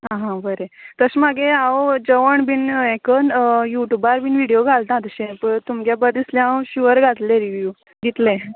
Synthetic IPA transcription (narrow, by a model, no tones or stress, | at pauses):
ɦãɦãbəɾet̪əsmaɡeãod͡ʑəʋəɳbinekənjuʈjubaɾbinʋiɽijoɡʱalt̪ãt̪əɕẽpəɳt̪umɡjabəɾd̪islẽãɕiʋəɾɡʱat̪lẽɾiʋju | ɡit̪lẽ